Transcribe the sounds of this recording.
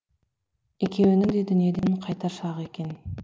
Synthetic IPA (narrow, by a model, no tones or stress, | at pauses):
e̞kʲe̞wɪnɪŋd̪e̞d̪ʏnijed̪e̞nqʰɑjt̪ɑɾʃɑʁəe̞kʲe̞n